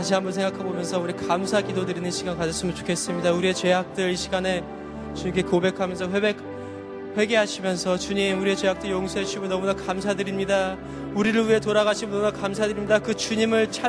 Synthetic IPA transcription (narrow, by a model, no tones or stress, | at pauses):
aɕʰiɦambʌnsʰeŋɡakʰanbomjʌns̬ʰʌuɾikamsʰaɡidodɯɾinɯnɕʰiɡankad͡ʑʌs͈ɯmɯnt͡ɕo̥kʰe̞s͈ɯmɲidauɾiet͡ɕe̞ɦak̚t͈ɯɾiɕʰiɡane̞ | t͡ɕuɲimkʰekobe̞kʰamjʌnsʰʌɸwebek̚ | ɸwe̞ɡeɦaɕʰimjʌnsʰʌt͡ɕuɲimuɾie̞t͡ɕe̞ɦak̚t͈ɯɭjoŋsʰoɦet͡ɕʰimonʌmunakamsʰadɯɾimɲida | uɾiɾɯɭɥiɦe̞t̬oɾaɣaɕʰimnunakamsʰadɯɾimɲidakɯt͡ɕuɲimɯɭt͡ɕʰa